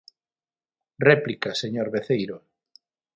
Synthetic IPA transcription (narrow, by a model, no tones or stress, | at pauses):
rɛplikaseɲoɾβeθejɾo